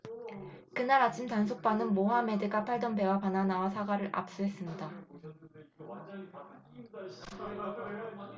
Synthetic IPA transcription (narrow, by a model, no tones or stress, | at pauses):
kɯnaɾat͡ɕʰimtans̬ʰok̚p͈anɯnmoɦame̞dɯɡapʰaɭdʌnbe̞wapananawasʰaɡaɾɯɾʔa̰p̚s͈uɦe̞s͈ɯmɲida